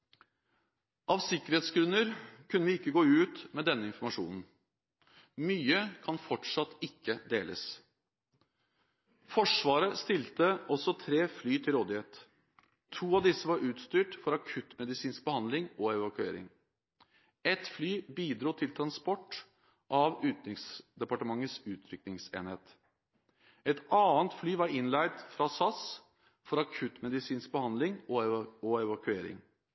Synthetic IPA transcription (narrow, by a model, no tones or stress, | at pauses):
ʔɑʋsɪkːəɾheːt̪sɡɾʉnːəɾkʰʉnːəʋɪɪkːəɡoːʉːt̪mɛd̪ɛnːəɪnfɔɾmɑʂṵːnn̩ | myːəkʰɑnfɔʈʂɑt̪ːɪkːəd̪ḛːlʔə̰s | fɔʂʋɑːɾəst̪ɪlt̪əʔɔsɔt̪ʰɾeːflyːt̪ʰɪlɾoːd̪ɪheːt̪ | t̪ʰːuːɑʋd̪ɪsəʋɑɾʔʉːt̪st̪yːʈfɔɾɑkʰʉt̪mɛd̪ɪsiːnsk̚bəhɑnd̪lɪŋɔɛʋɑkʉḛːɾɪ̰ŋ | ɛt̪flyːbiːd̪ɾuːt̪ʰɪlt̪ʰɾɑnspɔʈː | ʔɑʋʉːt̪nɪŋsd̪ɛpɑʈəmɑŋːəsʉːt̪ʰɾʏk̚nɪŋsḛːnheːt̪ | ɛt̪ɑːənt̪flyːʋɑɾɪnlæɪd̪fɾɑsɑs | fɔɾɑkʰʉt̪mɛd̪ɪsiːnsk̚bəhɑnd̪lɪŋɔɔɛʋɑkʉeːɾɪ̰ŋ